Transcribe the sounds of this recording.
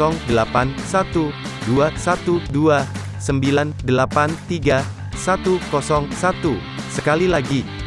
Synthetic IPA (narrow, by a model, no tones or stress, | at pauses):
ɔŋdəlapansat̪u | duasat̪udua | səmbilandəlapant̪iɡa | sat̪ukɔsɔŋsat̪u | səkalilaɡi